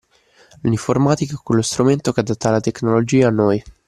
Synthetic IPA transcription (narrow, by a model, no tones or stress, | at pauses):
liɱformaːt̪ikaɛkːwelːost̪ɾument̪okead̪at̪ːalːat̪eknolod͡ʒiːaːnːoj